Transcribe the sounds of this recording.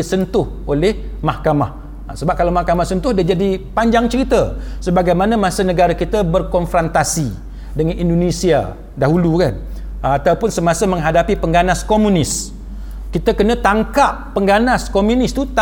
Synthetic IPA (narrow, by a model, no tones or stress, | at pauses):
isənt̪ʊh | olɛh | mahkamah | səbap̚kalawmahkamahsənt̪ʊhdad͡ʒadipaɲd͡ʒaŋt͡ʃəɾit̪əsəbaɡajmanamasənəɡaɾakit̪əbərkɔnfɾɔnt̪asi | dəŋanindonisia̰ | daɦulukan | at̪awpʊnsəmasəmə̃ŋɦadapipəŋɡanaskomũnɪs | kit̪əkənə̃t̪aŋkapːəŋɡanaskomũnɪst̪ut̪